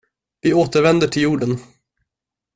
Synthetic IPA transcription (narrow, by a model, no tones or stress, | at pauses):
vɪoːt̪əɾvɛnd̪əʈʰɪljuːɖən